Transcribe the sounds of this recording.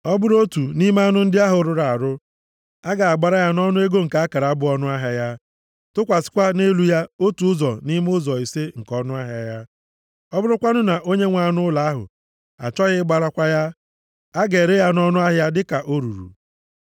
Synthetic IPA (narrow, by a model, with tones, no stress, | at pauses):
ɔ˦bʊ˦ɾo˦tu˨ni˦m˦a˦nʊ˦n̩˦dɪ˦a˦ɦʊ˨˦ɾʊ˨ɾa˨a˨ɾʊ˦ | a˦ɡa˨a˨ɡ͡ba˨ɾa˦ja˦nɔ˦nʊ˦e˦ɡo˦ŋ̩˨ka˨a˦ka˨ɾa˨a˦bʊ˦ɔ˦nʊ˦a˦ɦa˦ja˦ | tʊ˦kʷa˨sɪ̥˦kʷa˦ne˦lu˦ja˦o˦tu˨ʊ˦zɔ˨ni˦m˦ʊ˦zɔ˨i˨se˦ŋ̩˨kɔ˦nʊ˦a˦ɦja˦ja˦ | ɔ˦bʊ˦ɾʊ˦kʷa˦nʊ˦na˨ʔo˦ɲe˦ŋʷa˨˦nʊ˦ʊ˦la˨a˦ɦʊ̰˨ | a̰˨t͡ʃɔ˦ɣɪ˦ɡ͡ba˨ɾa˦kʷa˦ja˦ | a˦ɡe˨ɾe˦ja˦nɔ˦nʊ˦a˦ɦja˦dɪ˦ka˨ʔo˦ɾṵ˨ɾṵ˨